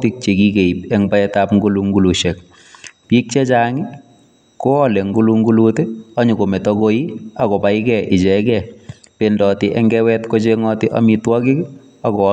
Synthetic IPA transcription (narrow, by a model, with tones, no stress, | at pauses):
ti˦k̚t͡ʃe˨ki˦ke˨i˨pɛ˦ŋbaɛtapŋɡu˦luŋɡu˦lu˨ʃɛ˨k | piː˦k̚t͡ʃɛ˦t͡ʃa˦ŋɪ˦ | ko˦ɔ˦le˨ŋɡu˦lu˦ŋɡu˦luteɔ˦ɲu˨ko˨me˨tɔ˦ko˦ji˦a˨kɔ˨pa˨ɪ˦kɛ˨ʔɪ˨t͡ʃɛ˨kɛ | pendɔ˨tɪʔɛ˦ŋɡɛwɛtko˦t͡ʃeŋɔ˦tɪ˦ʔa̰mitwɔ˦kɪ˦k | a˨kɔ˨˦